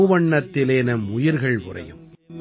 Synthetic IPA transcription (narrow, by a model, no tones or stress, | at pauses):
ʋɐɳːɐt̪ːɪleːnɐmʊjɪɾɣɐɭʋʊ̰rɐ̰jɯ̰m